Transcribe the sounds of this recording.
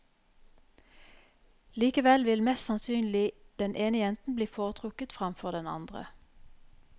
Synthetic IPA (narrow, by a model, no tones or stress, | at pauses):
liːkəʋɛlʋɪlmɛst̪sɑnsyːnlɪd̪̥ɛnʔeːnəjɛnt̪n̩bliːfoːʁt̪ʰʁʊkət̪fʁɑmfɔʁd̪ɛnɑ̰nd̪ʁə̰